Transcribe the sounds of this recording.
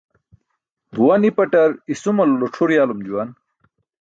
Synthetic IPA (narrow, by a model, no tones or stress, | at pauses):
bʱuwɐnipɐʈɐɾisumɐluloʈ͡ʂʰuɾjaːlumd͡ʑuwɐn